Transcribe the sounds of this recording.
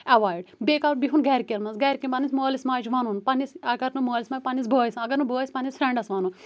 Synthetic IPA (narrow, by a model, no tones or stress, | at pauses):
ɐʋaːjɖbekalbiɦunɡɛɾʲkelmɐsɡɛɾkʲimpɐnismoːlismaːjt͡ʃʋɐnunpɐnisɐɡɐɾnɨmoːlʲismaːjʲpɐnisbojsɐɡɐɾnɨbojsʲpɐnisfɾʲeɳɖɐsʋɐnu